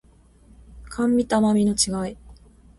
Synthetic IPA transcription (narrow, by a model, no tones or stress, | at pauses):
kʰãmːʲit̪amamʲino̞t͡ɕiɡai